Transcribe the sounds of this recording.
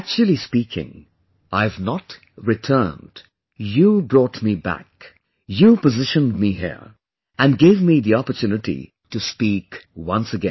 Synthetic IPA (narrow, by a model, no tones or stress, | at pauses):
æk̚t͡ʃʉl̩ˠispikʰɪ̰̃ŋ | ʔaɪvnət | ɹɨtʰɜ̃˞nd̥ | jɨubɹɔtmibæ̰k | jupəzɪʃə̃ndmiɦḭɹ | ɨ̃nɡeɪvmiðiɑpə˞tʰjʉnɨtḭ | tɨspikwʌ̃nsɨɡɛ̰̃n